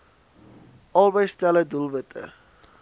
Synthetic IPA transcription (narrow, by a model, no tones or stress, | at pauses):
ʔɑlˠbəjstɛlədulˠvətə̰